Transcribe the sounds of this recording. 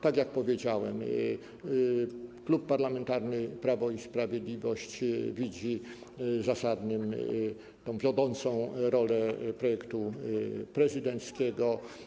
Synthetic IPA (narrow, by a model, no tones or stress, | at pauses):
t̪aɡjak̚pɔvʲjed͡ʑawɛ̰m | klupːaɾlamɛnt̪aɾnɘpɾavɔispɾavʲjed̪lʲivɔɕt͡ɕvʲid͡ʑi | zasad̪nɘm | t̪ɔ̃w̃vʲjɔd̪ɔnt̪sɔ̃w̃ɾɔlɛpɾɔjɛkt̪upɾɛzɘd̪ɛnt̪skʲɛɡɔ